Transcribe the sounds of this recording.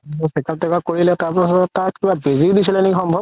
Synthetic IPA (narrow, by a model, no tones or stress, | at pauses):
ɔsɛkaɛkakoɹilɛtaɹpɔsɔzɔtak̚kibabezidisilɛnikixɔmbʱɔb